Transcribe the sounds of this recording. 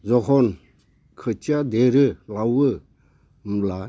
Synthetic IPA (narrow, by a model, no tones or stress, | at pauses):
zɔɦɔn | kʰɯt͡ʃad̪eɾɯlawɯ | m̩la